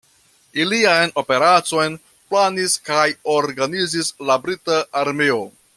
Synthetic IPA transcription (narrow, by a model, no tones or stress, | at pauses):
iliajno̞pe̞ɾat͡so̞jn | planiskajo̞ɾɡanizislabɾitaʔːɾmeo̞